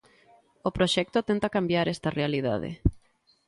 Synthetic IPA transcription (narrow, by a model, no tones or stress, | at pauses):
opɾoʃɛk̚t̪ot̪ent̪akambjaɾɛst̪ɐrealiða̰ð̞ḛ